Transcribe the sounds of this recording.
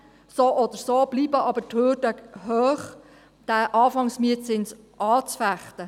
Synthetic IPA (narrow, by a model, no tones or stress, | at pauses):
soːʔɔd̥̪əɾsob̥liːbəʔɑbəthøːdœkhøːχ | d̥æʔɑːfɑŋsmiətt͡sɪns | ʔɑːt͡sfæχtə